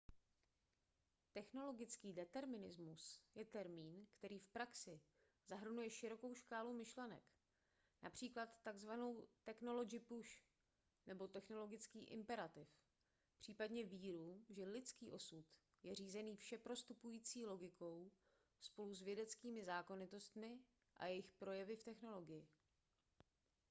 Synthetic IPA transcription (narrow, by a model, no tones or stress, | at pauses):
t̪ɛxno̞lo̞ɡɪt͡skiːdɛt̪ɛɾmɪnɪzmusjɛt̪ɛɾmiːnkt̪ɛɾiːfpɾaksɪ | zaɦr̩nujɛʃɪɾo̞ko̞wʃkaːlomɪʃlɛnɛ̰k | na̰pr̥iːklat̪ːaɡzvano̞wt̪ɛkno̞lo̞d͡ʒɪpuʃ | nɛbo̞t̪ɛxno̞lo̞ɡɪt͡skiːʔɪ̰mpɛɾat̪ɪf | pr̝̥iːpadɲɛviːɾuʒɛlɪt͡skiːʔo̞sut̪ | jɛr̝iːzɛniːfʃɛpɾo̞st̪upujiːt͡siːlo̞ɡɪko̞w | spo̞luzvjɛdɛt͡skiːmɪzaːko̞nɪt̪o̞st̪mɪ | ʔa̰jɛjɪxpɾo̞jɛvɪft̪ɛxno̞lo̞ɡɪjɪ